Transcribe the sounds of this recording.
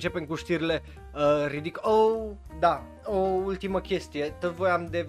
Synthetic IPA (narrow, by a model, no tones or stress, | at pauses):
t͡ʃe̞peŋkuʃt̪iɾile̞ | əɾid̪ikowd̪a | oult̪iməkʲe̞st̪ije̞t̪əvo̞jamd̪e̞